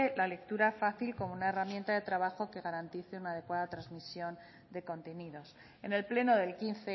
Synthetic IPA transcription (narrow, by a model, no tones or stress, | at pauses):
elale̞k̚t̪uɾafaθilko̞mounae̞ramjẽ̞nt̪aðe̞t̪ɾaβaxo̞ke̞ɣaɾant̪iθeunaːð̞e̞kwaðat̪ɾazmisjo̞n | d̪e̞ko̞nt̪e̞niðo̞s | ene̞lple̞no̞ðe̞lkinθe